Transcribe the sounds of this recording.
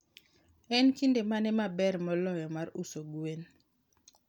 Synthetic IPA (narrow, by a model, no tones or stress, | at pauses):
ɛnkindemanɛmabɛɾmɔlɔjɔmaɾusoɡwen